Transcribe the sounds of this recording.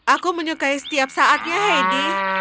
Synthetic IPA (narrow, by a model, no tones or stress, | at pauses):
ʔakuməɲukajsə̥t̪iap̚saʔat̪̚ɲaɦajdi